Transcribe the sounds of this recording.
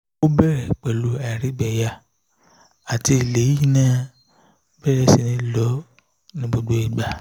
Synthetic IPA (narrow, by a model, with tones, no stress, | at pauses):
o˦bɛ˦˨ɾɛ˨k͡pɛ˨lu˨˦a˨ɾi˦bɛ˨ja˧ | a˨ti˧i˨le˨˦i˦˨nã˦ | bɛ˦ɾɛ˦si˨nĩ˨˦lɔ˨˦ | nĩ˦bo˧do˦i˨ɡ͡ba˨